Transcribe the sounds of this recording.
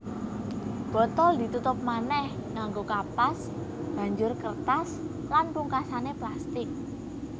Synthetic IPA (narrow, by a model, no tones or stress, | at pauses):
b̥ɔ̤t̪ɔld̪i̤t̪ut̪ʊp̚manɛhŋaŋɡokapas | b̥a̤ɲd͡ʒʊrkərt̪as | lanpuŋkasaneplast̪ɪk̚